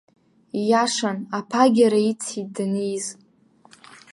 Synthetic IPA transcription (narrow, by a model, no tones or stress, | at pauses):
jaʂanapʰaɡʲaɾait͡sʰit̚dnejz